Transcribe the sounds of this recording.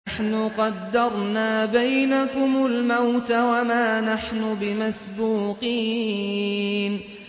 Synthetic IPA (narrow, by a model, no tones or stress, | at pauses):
ħnʊqɑd̪ːɑɾˤnaːbajnakʊmʊlmawt̪awamaːnaħnʊbɪmasbuːqiː | n